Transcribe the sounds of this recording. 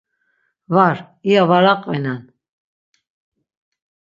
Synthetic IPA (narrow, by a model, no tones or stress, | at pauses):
vaɾ | iavaɾaqʼvɛnan